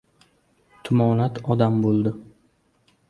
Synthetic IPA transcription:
t̪ʰʊmɒlat̪ʰɒd̪ambolˠd̪ɪ

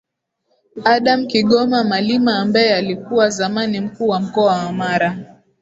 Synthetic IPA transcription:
aɗamkiɠɔmamalimaːmbajɛalikuwazamanim̩kuːwam̩kɔawamaɾa

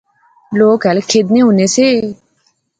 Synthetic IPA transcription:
loːkɛlkʰeːd̪neːɦʊneːseː

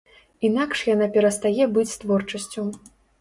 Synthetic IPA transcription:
inakʂjanapʲɛɾɐst̪ajɛbɨt͡sʲst̪vɔrt͡ʂɐsʲt͡sʲu

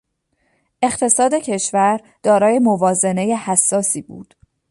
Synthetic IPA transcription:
ʔe̞χt̪ʰe̞sɒːd̪e̞cʰe̞ʃvæɾ | d̪̥ɒːɾɒːje̞movɒːze̞ne̞je̞hæsːɒːsiːbṵːd̪̥

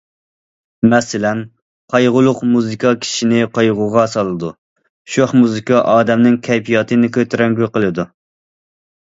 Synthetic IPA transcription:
mɛsɪlɛn | qʰɑjʁʊlˠʊqmuzɨkʰɑkʲʰi̥ʃinɪqʰɑjʁʊʁɑsɑlˠɨd̪u | ʃoχmuzɨkʰɑʔɑːd̪ɛmnɪŋkʲʰɛjpʰijɑt̪ʰɨnɪkʰʲøt̪ʰɾɛŋɡʲyqəlˠɨd̪u

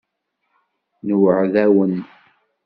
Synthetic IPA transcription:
nwəʕðæwən

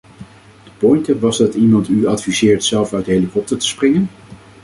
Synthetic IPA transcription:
d̥əpɔjntəʋɑzdɑtimɑntyɑtfizɪːɹtsɛlˠfœɥtdəɦelikɔp̚təɹtə̥sprɪŋən

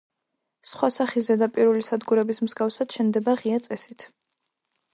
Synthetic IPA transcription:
sχwasaχizɛd̪apʼiɾulisad̪ɡuɾɛbismzɡafsad̪̥ʃɛnd̪ɛbaʁiat̪sʼɛsit̪ʰ

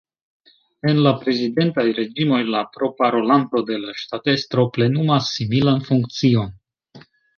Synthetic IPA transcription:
e̞nlapɾe̞zide̞ntajɾe̞d͡ʒimo̞jlapɾo̞paɾo̞lanto̞de̞laʃtate̞stɾo̞ple̞numasːimilanfuŋk̚t͡sio̞n

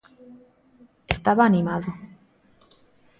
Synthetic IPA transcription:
est̪aβaːnimaðo

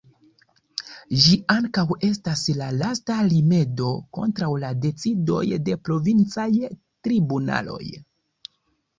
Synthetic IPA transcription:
ʒiaŋkawe̞staslalastalime̞do̞ko̞̰ntɾawlade̞t͡sido̞̰jde̞pɾo̞vint͡saj | tɾibuna̰lo̞̰j

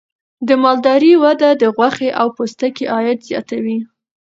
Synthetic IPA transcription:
d̪əmɑld̪ɑɾiwad̪ad̪əɣwaxeʔawpost̪akeʔɑjɪd̪zjɑ̰t̪awi

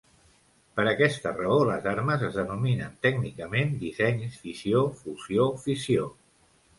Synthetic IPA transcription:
pəɾəkɛst̪ərəoləzaɾməzəzðənuminənt̪ɛɡnikəmend̪izɛɲsfisiofuziofisio

